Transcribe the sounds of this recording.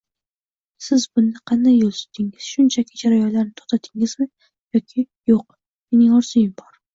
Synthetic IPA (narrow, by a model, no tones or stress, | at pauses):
sɪzbʊnd̪ɪqʰɑnd̪ajːolˠsʊ̥t̪ʰːɪŋɪz̥ʃʊnt͡ʃʰakʲʰɪd͡ʒaɾajɒnlaɾnɪt̪ʰɒt̪ʰat̪ʰɪŋɪzmɪ | jɒkʲʰɪ | joq | me̞nɪŋɒɾzʊjɪmbɒɾ